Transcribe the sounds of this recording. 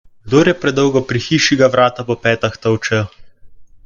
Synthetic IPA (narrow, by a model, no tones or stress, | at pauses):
ɡd̪oːɾjɛpɾɛd̪ɔwɡɔpɾixiːʃiɡaʋɾaːt̪apɔpɛːt̪axt̪əwt͡ʃɛ